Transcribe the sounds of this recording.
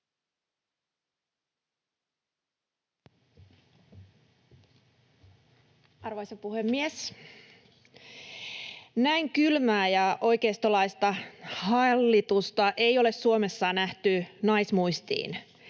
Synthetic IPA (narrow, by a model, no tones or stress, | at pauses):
ɑrʋoisɑpuhemːies | næiŋkylmæːjɑʔo̞jk̟eːst̪olɑist̪ɑhɑlːit̪ust̪ɑʔe̞ijo̞le̞sːuome̞sːɑːnæht̪ynɑjsmujst̪ḭːn